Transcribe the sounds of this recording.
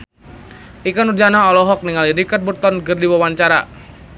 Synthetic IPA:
ʔikanurd͡ʒanaɦɔlɔɦɔk̚niŋaliɾikat̪̚but̪ɔnɡɨrdiwawaɲt͡ʃaɾa̰

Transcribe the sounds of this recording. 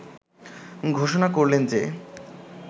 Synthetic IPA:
ɡʱoʃonakoɾlend͡ʑe

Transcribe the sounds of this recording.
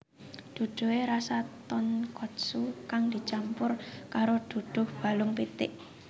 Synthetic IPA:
d̪̥ṳd̪̥ṳweɾasat̪ɔnkɔt̪sukaŋd̪̥i̤t͡ʃampʊrkaɾod̪̥ṳɖ̪̥ʊ̤hb̥a̤lʊŋpit̪ɪʔ

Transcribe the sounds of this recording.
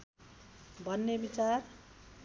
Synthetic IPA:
bʱʌnːebit͡sar

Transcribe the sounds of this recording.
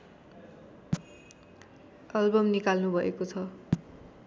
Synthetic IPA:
ʌlbʌmnikalnubʱʌekot͡sʰʌ

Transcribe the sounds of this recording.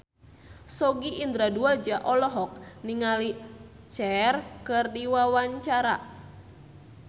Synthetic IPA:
sɔɡiʔind̪ɾaduad͡ʒaʔɔlɔɦɔk̚niŋali | t͡ʃɛrkɨrdiwawaɲt͡ʃaɾa

